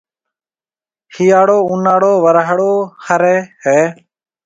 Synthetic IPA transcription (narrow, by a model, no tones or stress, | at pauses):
hiːaːɽoːunaːɽoːʋəɾaɦɽoːhəɾɛːɦeː